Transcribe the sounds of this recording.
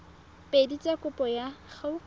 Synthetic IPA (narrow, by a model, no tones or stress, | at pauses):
pʼedit͡sʼakʼʊpʼɔjaχaʊ